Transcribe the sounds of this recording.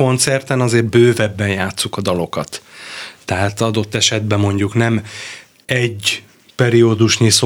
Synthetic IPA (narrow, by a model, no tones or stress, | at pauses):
o̞nt̪sɛrt̪ɛnɒzeːrbøːvɛbːɛnjaːt̪sːukɒd̪ɒlo̞kɒt̪ː | ɛɦaːt̪ɒd̪o̞t̪ːɛʃɛd̪̚bɛmːo̞ɲɟuknɛm | ɛɟ | pɛɾiod̪uʃniso